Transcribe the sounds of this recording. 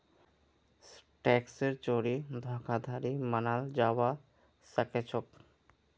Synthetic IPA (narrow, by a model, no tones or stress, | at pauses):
sʈɛkseɾt͡ɕoɽid̪ʱɔkʰad̪ʱaɾimanald͡ʑawa | saket͡ɕʰok